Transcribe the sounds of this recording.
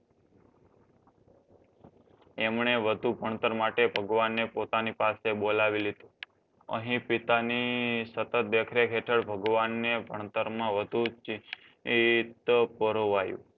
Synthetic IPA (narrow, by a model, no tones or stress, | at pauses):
emɳeʋəd̪ʱubʱəɳ̃t̪əɾmaʈebʱəɡʋanːepot̪anipasebolaʋilid̪ũ | ə̰ɦĩpit̪anisət̪ət̪̚d̪ekʰɾeɦet̪ʰəɭbʱəɡʋanːebʱəɳ̃t̪əɾmãʋəd̪ʱut͡ʃ | t̪əpəɾoʋajṵ̃